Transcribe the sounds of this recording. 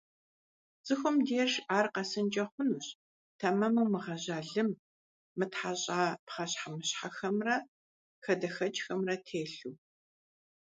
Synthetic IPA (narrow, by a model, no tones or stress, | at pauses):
zz̥ɨxʷʊmdeːrʒʔaːrqɐsɨnd͡ʒɐχʷʊnuːɕ | tʰɐmɐmɨwmɨʁɐʑaːɮɨmː | ɨtħaɕʼaːpχɐɕħamɨɕħaxɐmrɐ | xɐdɐxɐt͡ʃʼxɐmrɐtʰeːɬuː